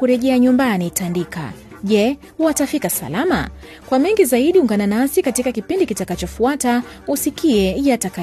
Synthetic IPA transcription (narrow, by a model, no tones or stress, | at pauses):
kuɾɛʄɛaɲumbanitandika̰ | ʄɛ | watafikasa̰lama̰ | kwamɛŋɡizaiɗiuŋɡananasikatikakipindikitakat͡ʃɔfuata | usikiɛjataka